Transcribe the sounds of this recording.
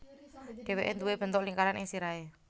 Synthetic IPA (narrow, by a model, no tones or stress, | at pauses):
ɖ̥e̤weʔend̪uweb̥ənt̪ɔʔliŋkaɾanʔɪ̰ŋsiɾae